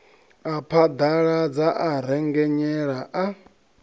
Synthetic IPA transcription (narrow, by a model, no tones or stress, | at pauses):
apʰad̪aɺad͡zaʔaɾ̤ɛŋɡɛɲɛɺaʔa